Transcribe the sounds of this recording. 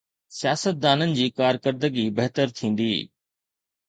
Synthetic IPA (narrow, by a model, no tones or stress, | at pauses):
sjaːsət̪̚d̪aːnənɪ̆d͡ʑiːkaːɾkəɾd̪əɡibɐɦt̪əɾt̪ʰĩːn̆d̪ḭː